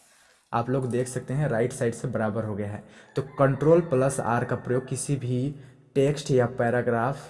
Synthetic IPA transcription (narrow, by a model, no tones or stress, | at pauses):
a̰ːploːɡd̪eːkʰsɐk̚t̪eɦɛ̃ɾaːɪʈsaːɪɖsebɐɾaːbəɾɦoɡɐjaɦɛːt̪oːkɐ̃ɳʈɾoːlpləsa̰ːɾkapɾəjoːɡ̚kɪsibʱi | ʈeːksʈjapɛːɾaːɡɾaːfʰ